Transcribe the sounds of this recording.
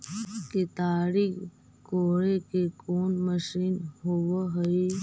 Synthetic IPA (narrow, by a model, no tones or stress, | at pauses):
ket̪aːɽiːk | koːɭekekoːnməʃiːnɦoʋəɦəi